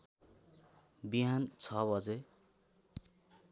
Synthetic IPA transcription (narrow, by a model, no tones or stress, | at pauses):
biɦant͡sʰʌbʌd͡ze